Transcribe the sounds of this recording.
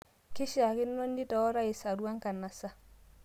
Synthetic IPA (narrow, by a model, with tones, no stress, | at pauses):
kɪ˦ʃa˨kɪ˦nːo˦ndi˦tɔ˨ɔ˦ɾa˦i˨sa˨ɾwa˦ŋka˨nːa˨sa˦